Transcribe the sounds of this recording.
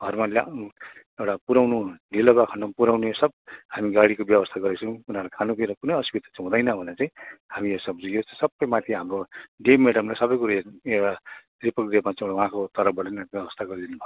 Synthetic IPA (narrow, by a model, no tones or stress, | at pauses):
ɡʱʌrmal | ewʈapuɾawnunilʌɡakʰanʌpuɾawnujosʌb̚hamiɡaɽikobjʌbʌst̪ʰaɡʌɾet͡sʰũw̃unaɾlakʰanupiɾʌkunʌjʌsubit̪ḁt͡saĩɦũd̪ʌjnʌbʱʌnet͡sãĩhamijosʌbd͡zũjot͡ssʌbːʌjmãt̪ʰiɦamroɖemːeɽʌmlajsʌbʌjkuɾaeewʈa | ripʌkd̪ebmat͡sãieʈawɦãkot̪ʌɾʌbʌɽenbjʌbʌst̪ʰaɡʌɾd̪inubʱa